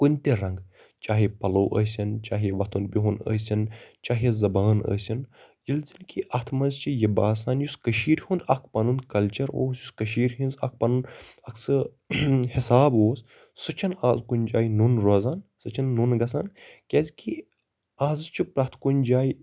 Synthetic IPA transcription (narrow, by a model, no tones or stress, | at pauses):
kunʲt̪eɾɐŋɡ | t͡ʃaːɦipɐloːʔəsʲɐnt͡ʃaːɦiʋɐt̪ʰunbiɦunə̰ːsʲɐnt͡ʃaːɦizɐbaːnə̰ːsʲinjilzinkiʔɐt̪ʰmɐnzt͡ʃijɐbaːs̬aːnjuskəʃiːɾhund̪ɐk̚ʰpɐnunkɐlt͡ʃɐɾo̰ːsjuskɐʃiːɾɦinzɐ̰k̚ʰpɐnunɐkʰsɨ | hisaːboːs | sɨt͡ʃʰɐnaːzkunʲd͡ʒaːjnunɾozaːnsɐt͡ʃʰɐnːunɡɐsaːnkʲezki | aːzt͡ʃʰipɾɐt̪ʰkunʲd͡ʒaːj